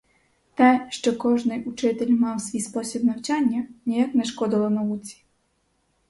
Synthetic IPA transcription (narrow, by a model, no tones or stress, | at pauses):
t̪ɛʃt͡ʃɔkɔʒnɪjʔut͡ʂɪt̪ɪlʲmɑwsʋʲijspɔsʲibnɐwt͡ʃanʲːɐnʲijaknɛʃkɔd̪ɪlˠɔnɐwut͡sʲi̥